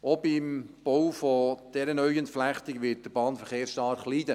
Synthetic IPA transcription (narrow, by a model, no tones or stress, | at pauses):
obɪmb̥owfɔd̥ɛɾənœʏəntflæχtɪɡʋɪt̚d̥əb̥ɑːnfəɾχeːɾsʃtɑɾχliːdə